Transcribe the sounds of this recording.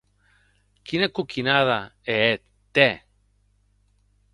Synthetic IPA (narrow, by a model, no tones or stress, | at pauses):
kinekukʰinaðaeet̪ | t̪ːe